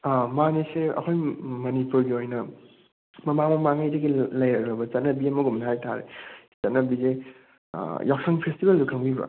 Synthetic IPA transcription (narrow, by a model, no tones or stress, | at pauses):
amaneseɐ̰kʰojmɐnipuɾɡiojnɐ | mɐmamɐmaŋajdɐɡilɐjɾɐɡɾɐbɐt͡ʃɐtnɐbiɐmɐɡumnɐɦajtʰaɾḛ | t͡ʃɐtnɐbizḛ | jawk̚sɐŋpʰestibeldukʰɐŋbibɐ̰